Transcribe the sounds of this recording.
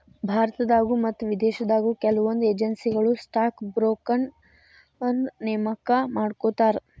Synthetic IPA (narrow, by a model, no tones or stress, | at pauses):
bʱaːɾɐt̪ɐd̪aːɡumɐt̪ːuʋid̪eːʃɐd̪aːɡukɛlɐʋond̪ueːd͡ʒɐnsiɡɐɭusʈaːkbɾoːkɐn | ɐnneːmɐkɐmaːɽkoːt̪aːɾ